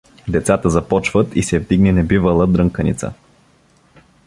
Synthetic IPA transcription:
d̪ɛt̪sat̪əzɐpɔt͡ʃvət̪isɛvd̪iɡnɛnɛbivəlˠəd̪ɾəŋkənḭt̪sə̰

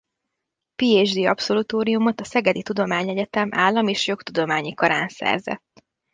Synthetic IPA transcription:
piːeːd͡ʒd̪iːɒpso̞lut̪oːɾijumo̞t̪ɒsɛɡɛd̪it̪ud̪o̞maːɲɛɟɛt̪ɛmʔaːlːɒmeːʃjo̞kt̪ud̪o̞maːɲikɒɾa̰ːnsɛ̰rzɛ̰t̪ː

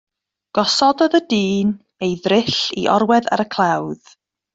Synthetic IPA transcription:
ɡ̥ɔsɔdɔðədiːn | ejðrɪɬḭʔɔɾwɛða̰ɾəkʰlˠawð̥

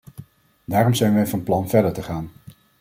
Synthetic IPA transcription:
daːrɔmzɛjnʋɛjvɑnplɑnvɛɹdəɹtəχaːn

